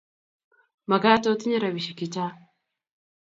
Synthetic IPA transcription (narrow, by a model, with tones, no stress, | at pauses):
ma˨ɡa˦to˦t̪i˦ɲa˦ɾa˨βi˨ʃi˨ki˦ta˦